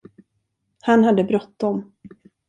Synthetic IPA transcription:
hanhad̪ːəbɾɔt̪ːd̪ɔm

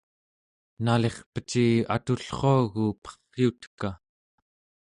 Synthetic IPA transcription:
nale̞χpə̥t͡ʃia̰t̪uɬχo̞ːɣupʌ̥χːiut̪ka

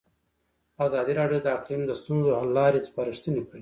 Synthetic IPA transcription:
azɑd̪iɾɑɖjod̪əaqlimd̪əst̪unzoalɑɾespɑɾɪʂt̪ənekɽi

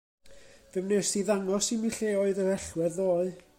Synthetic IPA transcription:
ðəmnesiðaŋɔsimiɬeːoːɨðəɾɛɬwɛðoːɨ

